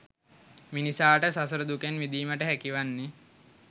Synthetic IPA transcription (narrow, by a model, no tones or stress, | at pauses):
minisaːʈəsasəɾəd̪ukenʋid̪iːməʈəɦækiʋanːi